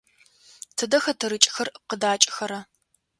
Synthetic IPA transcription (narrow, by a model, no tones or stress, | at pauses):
tʰɨdɐxɐtʰɨɾɨt͡ʃʼxɐrqədaːt͡ʃʼɪxɐɾɐ